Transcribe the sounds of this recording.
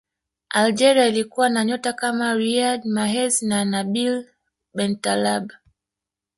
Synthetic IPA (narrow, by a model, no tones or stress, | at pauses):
ald͡ʒɛɾiailikuwanaɲɔtakamaɾiadmaɦɛznanabil | bɛntalaba